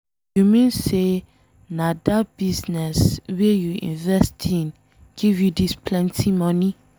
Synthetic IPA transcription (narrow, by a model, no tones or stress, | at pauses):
jumĩnse | nadabiznɛswejuḭ̃nvɛstʰĩn | ɡ̥ivjudispʰlɛ̃ntʰimɔ̃ni